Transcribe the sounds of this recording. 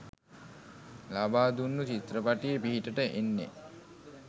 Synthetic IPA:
labaːd̪unːut͡ʃit̪ɾəpaʈijəpiɦiʈəʈəʔenːḛ

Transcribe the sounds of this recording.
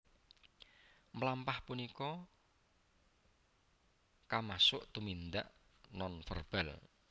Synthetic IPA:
məlampahpunikɔ | kamasʊʔt̪umind̪a̰ʔ | nɔnfə̰rb̥ɛl

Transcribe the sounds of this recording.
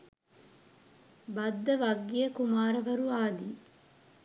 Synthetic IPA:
bɐd̪ːɐʋɐɡːijɐkumaːɾɐʋɐɾuaːd̪iː

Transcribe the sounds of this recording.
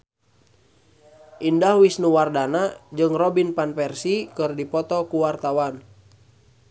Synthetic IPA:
ʔindahwisnuwardanad͡ʒɨŋrɔbinpanpɛrsikɨrdipɔt̪ɔkuwart̪awan

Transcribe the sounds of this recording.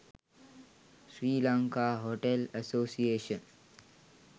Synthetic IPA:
ʃɾiːlãŋkaːɦoʈeləsoːsieːʃə̃n

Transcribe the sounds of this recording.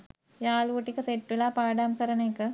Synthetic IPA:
jaːɭuʈːikːɨseʈːulapaːɖaːmkɐɾɐneːkːɨ

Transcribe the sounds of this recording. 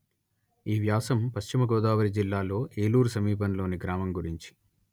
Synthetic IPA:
iːʋjaːsɐmpɐʃt͡ʃimɐɡɔːd̪aːʋɐɾid͡ʒilːaːlo̞ːʔeːluːɾusɐmiːp̬ɐnlo̞ːniɡɾaːmɐmɡuɾiɲt͡ʃi̥

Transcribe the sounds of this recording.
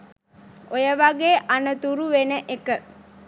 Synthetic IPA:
ojəʋaɡeːʔanət̪uɾuʋenəʔekə

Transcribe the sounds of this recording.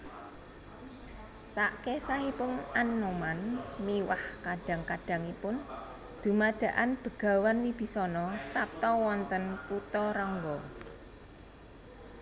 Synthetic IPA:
saʔkesaɦipʊnanːumanmiwahkaɖ̥a̤ŋkaɖ̥a̤ŋipʊn | d̪̥ṳmad̪̥a̤ʔanb̥ə̤ɡ̥a̤wanwib̥i̤sɔnɔtap̚t̪ɔwɔnt̪ənkut̪ɔɾɔŋɡɔ

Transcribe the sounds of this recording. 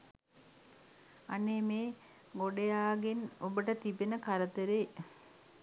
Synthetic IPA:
a̰neːmeː | ɡoɖejaːɡenobəʈət̪ibenəkaɾət̪əɾe

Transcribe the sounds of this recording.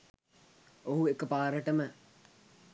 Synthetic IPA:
oɦuekəpaːɾəʈəmə

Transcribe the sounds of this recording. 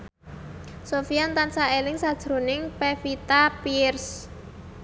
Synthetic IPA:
sofiant̪ansaelɪŋsad̥ʒ̥ɾo̤nɪŋpefit̪apiɪrs

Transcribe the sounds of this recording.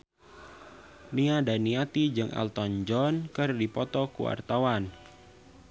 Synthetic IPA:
niadaniat̪id͡ʒɨŋʔa̰lt̪ɔnd͡ʒɔnkɨrdipɔt̪ɔkuwa̰rt̪awan

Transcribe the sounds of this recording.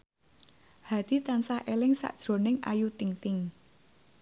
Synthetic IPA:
had̪̥i̤t̪ansaʔelɪŋsa̰ʔd̥ʒ̥ɾo̤nɪŋa̰jut̪iŋt̪ɪŋ

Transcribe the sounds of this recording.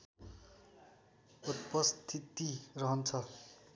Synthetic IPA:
ut̪̚pʌst̪ʰit̪irʌɦʌnt͡sʰʌ

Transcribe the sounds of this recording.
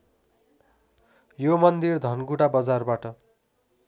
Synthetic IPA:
jomʌnd̪ird̪ʱʌnɡuʈabʌd͡zarbaʈʌ

